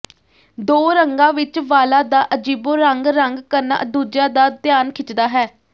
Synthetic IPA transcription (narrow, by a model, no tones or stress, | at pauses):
d̪oːɾəŋɡãːʋɪt͡ʃʋaːlaːd̪aːʔəd͡ʒiːbõːɾəŋɡɾəŋɡkəɾna̰ːʔd̪uːd͡ʒãːd̪aːt̪jaːnkʰɪt͡ʃd̪aːɦɛː